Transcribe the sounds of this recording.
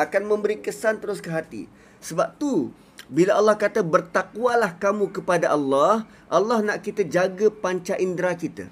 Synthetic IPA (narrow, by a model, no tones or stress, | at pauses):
akanmə̃mbəɾikəsant̪əɾʊskəɦat̪ḭ | səbap̚t̪u | bilaʔalːɑhkat̪abərt̪akwalahkamũkəpadaʔalːɑh | ʔalːɑhnaʔkit̪ad͡ʒaɡapaɲt͡ʃaʔindɾakit̪a̰